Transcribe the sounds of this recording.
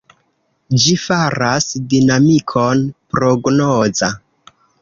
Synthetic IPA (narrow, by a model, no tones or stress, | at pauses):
d͡ʒifaɾasdinamikʰonpɾo̞ɡnoza